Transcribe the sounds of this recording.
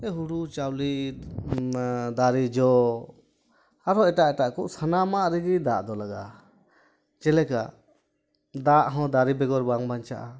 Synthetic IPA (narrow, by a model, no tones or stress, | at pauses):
ɛɦuɽut͡ʃawli | d̪aɾid͡ʒɔ | aɾɔɛʈaʔɛʈaʔkɔʔsʰanamaʔɾɛɡid̪aʔd̪ɔlaɡa | t͡ʃɛlɛka | d̪aʔɦɔ̃d̪aɾibɛɡɔɾbaŋbaɲt͡ʃa̰ʔa